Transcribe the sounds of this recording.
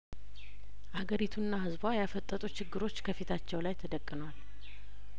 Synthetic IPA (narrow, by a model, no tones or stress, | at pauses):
ʔaɡəɾit̪ʰunːaɦɨzbajafət̪ʼːət̪ʼut͡ʃɪɡːɨɾo̞t͡ʃːkʰəfit̪ʰat͡ʃːɛwlajt̪ʰəd̪əkʼːɨnwal